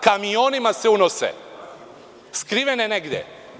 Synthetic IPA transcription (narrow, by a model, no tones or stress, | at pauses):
kamionimaseunosḛ | skɾiʋeneneɡd̪ʲjḛ